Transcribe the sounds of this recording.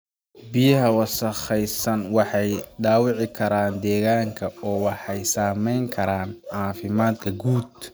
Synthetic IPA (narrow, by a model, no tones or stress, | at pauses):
bɪjɐɦɐwɑsɐχɛjsɐnwɑħɑjɖaːwɪʕɪkʰɐɾaːnd̪ɛːɣaːŋkʰɐɔːwɑħɑjsaːmɛjŋkʰɐɾaːnʕɑːfɪmaːd̪̚kʰɐɡuːd̪̚